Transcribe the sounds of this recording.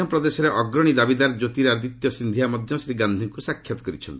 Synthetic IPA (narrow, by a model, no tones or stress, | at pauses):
ɔmpɾɔd̪esɔɾeʔɔɡɾɔɽ̃id̪abid̪aɾd͡ʒot̪iɾaɾd̪it̪jɔsind̪ʱijamɔd̪ʱjɔsɾiɡand̪ʱiŋkusakʰːjat̪ɔ̥kɔɾit͡ʃʰɔnt̪ii